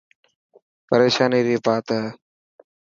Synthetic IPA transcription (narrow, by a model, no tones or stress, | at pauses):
pəɾeːʃaːniːɾiːpaːt̪ə